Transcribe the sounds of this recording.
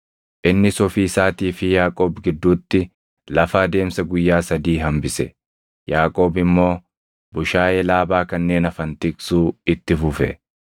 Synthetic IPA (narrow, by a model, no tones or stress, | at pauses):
ʔɪnːɪsɔfiːsaːt̪iːfɪjaːkʼoːbɡɪd̪ːuːt̪ːɪ | lɐfaːd̪e̞ːmsɐɡʊjːaːsɐd̪iːɦɐmbɪsɛ̰ | jaːkʼo̞ːbɪmːo̞ː | bʊʃaːjɛlaːbaːkɐnːe̞ːnɐfɐnt̪ɪkʼsuːɪt̪ːɪfʊfɛ